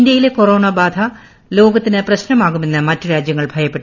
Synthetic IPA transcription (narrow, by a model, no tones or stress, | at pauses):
ind̪jɐjileko̞ro̞ːɳɐbaːd̪ʱʰɐ | lo̞ːɡɐt̪ːinɨprɐɕnɐmaːɣume̞nːɨmɐtːɨɾaːd͡ʑjɐŋːɐɭbʱɐjɐpːe̞ʈːu